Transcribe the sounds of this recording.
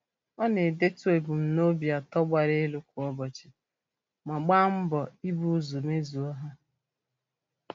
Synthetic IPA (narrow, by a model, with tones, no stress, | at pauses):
ɔ˦ne˨de˦tu˦e˨bu˨m̩˨no˦bi˨a˨tɔ˦ɡ͡ba˨ɾe˦lu˦kʷu˨˦ɔ˦bɔ˨t͡ʃɪ̥˨ | ma˨ɡ͡ba˦m̩˦bɔ˨i˦bu˦zu˨me˦zu˨ɔ˦ɦa˦